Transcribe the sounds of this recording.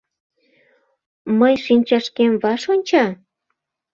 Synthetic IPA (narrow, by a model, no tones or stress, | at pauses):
məjʃinʲt͡ɕɑʃkemβɑʃonʲt͡ɕɑ